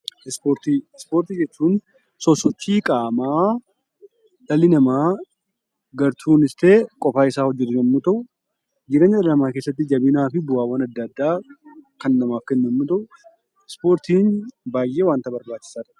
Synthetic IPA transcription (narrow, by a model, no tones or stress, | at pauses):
ɪspoːɾt̪iɪspo̞ːɾt̪id͡ʒɛt͡ʃːuːn | sɔsːɔt͡ʃːiːkʼaːmaː | ᶑɐlɪnɐmaː | ɡɐɾt̪ʰuːnɪst̪e̞ːkʼɔfaːɪsaːhɔd͡ʒːɛt̪ːɪd͡ʒɐnmut̪ɐʔʊ | d͡ʒɪɾeːɲːɐd̪ɐlɐmaːke̞ːsːɐt̪̬ːɪd͡ʒɐbɪnaːfɪbʊaːwɐnɐd̪ːɐd̪ːaːkɐnnɐmaːfkɛnːɛmːʊt̪ɐʔʊ | ɪspo̞ːɾt̪iːnbaːjʔeːwaːnt̪ɐbɐɾbaːt͡ʃːɪ̥saːɾ